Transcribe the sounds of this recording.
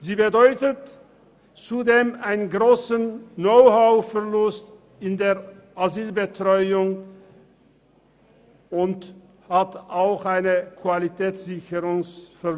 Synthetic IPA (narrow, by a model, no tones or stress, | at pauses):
ziːbədɔʏtət | t͡sudeːmaɪnənɡʁoːsənːoʊhaʊfɛɐlʊst | ɪndeːɐ | ʔaziːlbətʁ̥ɔʏʊŋ | ʊnt | hataʊxʔaɪnəkv̥alitʰɛːt͡sz̥ɪçəʁʊŋsfɛ